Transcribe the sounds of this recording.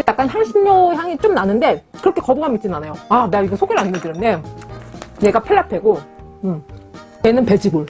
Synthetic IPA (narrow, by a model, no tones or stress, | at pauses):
jak͈anɦaɭɕʰinɲoɦjaŋit͡ɕ͈omnanɯnde̞kɯɾʌkʰe̞kʌbuɡamit͡ɕ͈inanajoaneɡaiɡʌsʰoɡeɾanːɯndɯɾʌnːe | ne̞ɡapʰeɭːapʰeɡo | ɯm | kenɯnpe̞d͡ʑiɡuɭ